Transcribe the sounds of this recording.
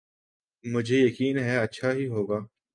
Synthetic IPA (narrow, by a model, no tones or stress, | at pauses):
mʊd͡ʒʱejɐkiːnɦɛɐtːʃʰaɦiɦoːɡaː